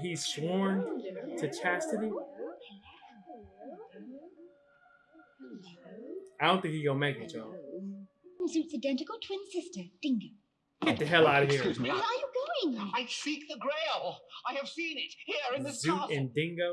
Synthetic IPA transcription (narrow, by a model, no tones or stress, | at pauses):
hiz̥swɔɹntʰɨt͡ʃʰæstɨɾi | aɪdõnθɪ̃ŋkhiɡõʊ̃nmeɪkɨ̥d͡ʒɔ | mzʉtsɨdɛ̃ntɨkl̩ˠtʰw̥ɪ̃nsɪstə˞d̥ɪ̃ŋɡoʊ | ɡ̥ɛt̪̚ðɨɦɛlˠaʊɾ̚hiɹwʌə˞jəɡoʊɪ̃ŋaɪsik̚ðɨɡɹeɪlˠaɪɨv̥sĩnɪt̚hiɹɨ̃nðɪszʉɨ̃ndɪ̃ŋɡoʊ